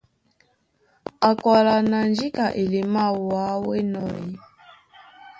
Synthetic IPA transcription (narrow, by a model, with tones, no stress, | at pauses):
a˨ka˨la˨na˨nd͡ʒi˦ka˨ʔe˨li˨ma˦˨wa˨˦wɛ̰˦nɔ̰˨i˦